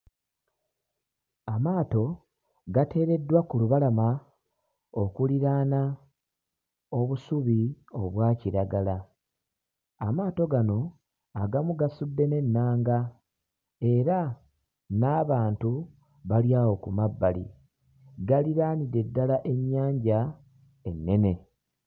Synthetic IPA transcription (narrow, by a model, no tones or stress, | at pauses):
amaːto̞ | ɡate̞ːɾe̞dːwakuluβalama | okuliɾaːna | o̞βusuβio̞̰βwaːciɾaɡala | maːto̞ɡano̞ | aɡamuɡasudːe̞ne̞nːaːŋɡa | e̞ɾa | naːβaːntu | βaljawo̞kumabːalḭ | ɡaliɾaːniɾe̞dːalaʔe̞ɲːaːɲɟa | e̞nːe̞ne̞